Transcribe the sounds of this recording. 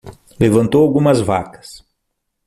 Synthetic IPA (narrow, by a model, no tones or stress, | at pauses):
levɐ̃nt̪owawɡũmɐzva̰kɐ̥s